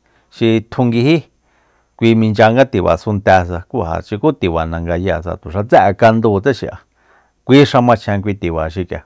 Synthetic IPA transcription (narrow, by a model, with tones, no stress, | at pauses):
ʃi˧t̪ʰu˧ŋɡi˧hi˦ | kʷi˧mĩ˧nd͡ʒa˧ŋɡa˦t̪i˨βa̰˨su˧nt̪ɛ˧s̬a˧kʷu˦ɦa̰˨t͡ʃi˧ku˦t̪i˨βa˨nã˧ŋɡa˧ja˧˨s̬a̰˧t̪u˨ʂa˧t͡sɛ˦ʔka˧nd̪u˧˨t͡se˦ʃḭ˧ʔa̰˧ | kʷiː˦ʂa˧mã˧t͡ʃʰɛ̃˧k̬ʷi˧t̪i˨βa˨ʃi˧kja̰˨